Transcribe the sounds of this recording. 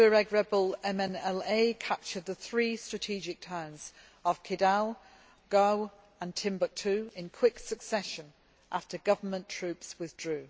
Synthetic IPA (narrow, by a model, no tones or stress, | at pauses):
əɹɛɡɹɛbəlɛ̃mɛ̃nɛleɪkʰap̚t͡ʃəd̪̚ðəθɹiːstɹ̥ətʰiːd͡ʒɪk̚tʰɜ̃ːnz̥ | əv̥kʰɪdalˠ | ɡ̥əʊ | ə̃ntʰɪ̃mbək̚tʰʉːɪ̃nkʰw̥ɪksəksɛʃə̃n | ʔaftəɡʌvəmə̃ntʰɹ̥ʉˑpswɪðdɹʉː